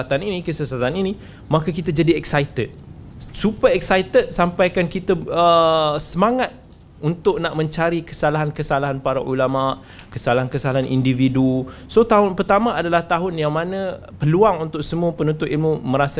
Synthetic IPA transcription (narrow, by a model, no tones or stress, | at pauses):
at̪aninĩkəsasat̪anini | makakit̪ad͡ʒadiɛksajt̪ət̪̚ | supəɛk̚sajt̪ət̪̚sampajkankit̪aəsəmaŋat̪̚ | unt̪ʊʔnaʔmə̃ɲt͡ʃaɾikəsalaɦankəsalaɦanpaɾaʔulamaʔ | kəsalaɦankəsalaɦanʔḭndividusot̪aɦʊnpərt̪amãadalaht̪aɦʊnjaŋmanə̃ | pəluaŋunt̪ʊk̚səmuəpənũnt̪ʊt̪ilmuməɾasa